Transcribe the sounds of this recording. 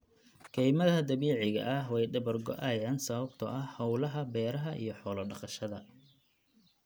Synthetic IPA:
kʰɛjmɐðɐɦɐd̪ɐβiːʕɪɣɐ̰ʔɐhwɛjɖɐbɐrɡɔ̰ʔaːjaːnsɐβɐbt̪ʰɔʔɐhhɐwlɐɦɐbɛːɾɐɦɐʔḭjɞħɔːlɐɖɐqɑʃɐðɐ

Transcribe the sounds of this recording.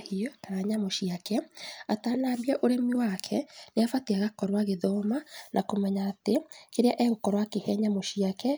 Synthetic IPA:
hiɔtaɾaɲamoʃiakɛatanaːbiaʔoɾemiwakʰɛneafatiaɣakɔɾwaɣeðɔmanʔakomɛɲaːtekeɾeaʔɛɣokɔɾwakehɛɲamoʃiakɛ

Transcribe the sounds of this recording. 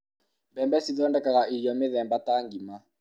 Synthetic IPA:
mbɛmbɛsiðɔndɛkaɣaʔijɔmeðɛmbataŋɡima

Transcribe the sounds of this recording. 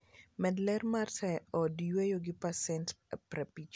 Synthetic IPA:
mɛdlɛrmarsɛɔdjwejoɡɪpasɛntpɾɛpit͡ʃ

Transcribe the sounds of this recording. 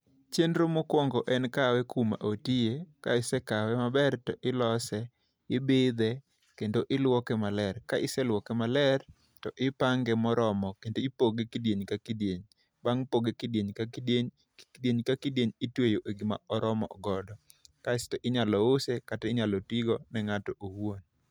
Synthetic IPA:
t͡ʃendɾomokwɔŋɡɔʔɛnkawɛkuma̰ʔotijeka̰ɪsɛkawɛmabɛrtɔʔɪlɔsɛ | ɪbɪd̪ɛ | kendoʔɪlwɔkɛmalɛrkaʔɪsɛlwɔkɛmalɛr | tɔʔɪpaŋɡɛmɔɾɔmɔkendoipoɡekidjeɲkakidjeɲ | baŋpoɡekɪdjeɲkakideɲ | kdjeɲkakidjeɲɪtwejoʔeɡima̰ɔɾɔmɔ̰ɔɡɔdɔ | kaɪstɔʔɪɲalɔosekatɛɪɲalɔtiɡɔnɛŋatɔʔoon

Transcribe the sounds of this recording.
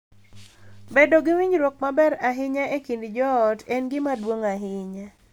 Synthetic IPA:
bedoɡɪwiɲɾok̚mabɛɾaɦɪɲaʔekindɪd͡ʒɔːtɛnɡɪmadwoŋaɦɪɲa

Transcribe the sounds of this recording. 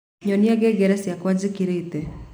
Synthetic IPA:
ɲɔnjaɡɛɡɛɾɛsjakwad͡ʒikiɾeit̪e

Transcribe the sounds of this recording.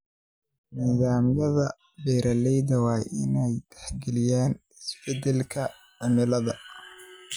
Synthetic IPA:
niːðaːmjɐðɐ | bɛːɾɐlɛjðɐwɑːjʔɪ̰nɛjd̪̥ɛħɡɛlɪjaːnɪsb̥ɛd̪ɛlkʰɐ | ʕʊnɪlɐðɐ

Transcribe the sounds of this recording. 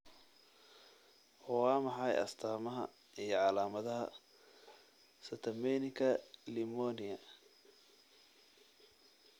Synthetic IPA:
wɑːmɑħɑjɐ̰st̪ʰaːmɐɦɐ̰ | ijɞʕɑlaːmɐðɐɦɐ̰ | sɐt̪ʰɐmɛnɪŋkʰɐlɪmɔːnɪɐ

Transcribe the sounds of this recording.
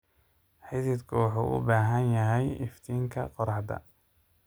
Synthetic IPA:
ħɪðɪːd̪kʰʊwɑħṵːʔʊ̰baːɦɐnjɐɦɛjɪft̪ʰiːŋkʰɐ̰qɔɾɑħd̪ɐ̰

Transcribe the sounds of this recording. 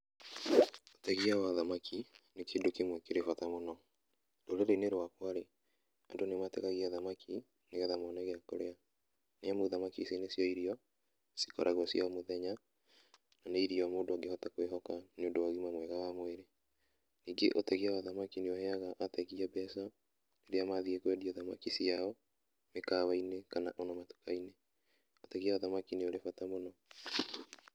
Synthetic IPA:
otɛɣiawaðamakʰinekeːndokemwɛkeɾefatamonɔ | doɾeɾeneɾowakwaɾe | andonemateɣaɣiaðamakʰi | neɣɛðamɔnaɣeako̰ɾea | neamoðamakisenesjɔiɾiɔ | si̥kɔ̰ɾʔaɣwɔsiɔmoðɛɲa | naneiɾiɔmoːdoaɡehɔtakweɦɔkaneondoaɣimamwɛɣawamweɾe | niːɡeʔotɛɣiawaðamakinioheaɣaʔːtɛɣiabɛsa | neɾeamaðiekwɛdioðama̰kisijaɔ | mekaβainekanaʔonɔmatu̥kaine | otɛɣiaaðamakinioɾefatamonɔ

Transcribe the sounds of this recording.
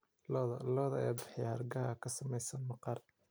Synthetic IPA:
lɔðɐlɔːðɐɛːbɪħjaɐrɡɐɦɐkʰɐsɐmɛjsɐnmɑqɑr

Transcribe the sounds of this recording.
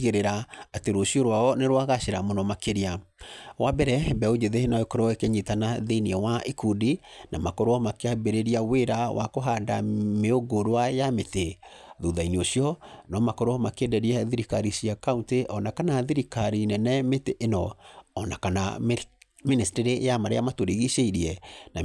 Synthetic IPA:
ɣeɾeɾaateɾoʃjɔɾwaɔneɾwaɣaʃeɾamonɔmakeɾiawʔabɛɾɛbɛod͡ʒeðenɔekɔɾoɔekeɲitanaðeniɛwaʔikudinʔamakɔɾoɔmakeabeɾeɾiaweɾawa̰koɦandameoɡoɾwajameteðuðainioɕjɔnɔmakɔɾoɔmakendɛɾiɛðiɾikaɾisiakaunteʔɔnakanaðiɾikaɾinɛnɛmeteʔnɔːnakana | ministiɾejamaɾḛamatoɾiɣiʃeiɾiɛna

